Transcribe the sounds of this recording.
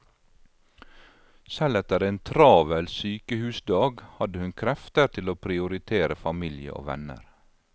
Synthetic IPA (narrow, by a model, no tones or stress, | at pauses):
sɛlɛt̪əɾeːnt̪ʰɾɑːʋɛlsyːkəhʉːsd̪ɑːɡhɑd̪əhʉnkʰɾɛft̪əɾt̪ʰɪloːpʰɾɪʊɾɪt̪ʰeːɾəfɑmɪlɪə̰ʔo̰ːʋɛ̰nə̰ɾ